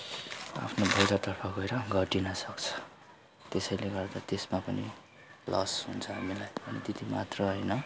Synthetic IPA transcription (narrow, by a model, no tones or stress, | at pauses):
a̰pʰnobʱʌjɾat̪ʌrpʰʌɡʌeɾʌɡʱʌʈinʌsʌkt͡sʰʌ̥ | t̪esʌjleɡʌrd̪at̪esmapʌnḭ | lʔʌsɦunt͡sʰʌɦamilajbʌnit̪it̪imat̪rʌɦʌjnʌ